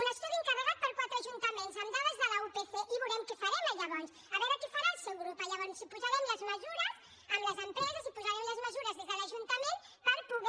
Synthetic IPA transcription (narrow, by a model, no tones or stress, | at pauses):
unəst̪uðieŋkaβəɣat̪̚pɐɾkwat̪ɾaʒunt̪ɐmẽnzɐnd̪aðɐzðəlɐupeθeʔiβuɾɛmkefaɾɛmaʎaβans | aβɛɾɐkefaɾalsewɣɾupajaβansipuʒaɾɛmlɐzməzuɾɐs | amlɐzɐnp̪ɾɛzɐzipuʒaɾɛmlɐzməzuɾɐzðiðalɐʒunt̪ɐmẽn | pɐɾpuɣ